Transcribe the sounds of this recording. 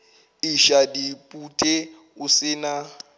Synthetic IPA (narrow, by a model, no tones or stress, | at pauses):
iʃadipʼutʼe | usɪːna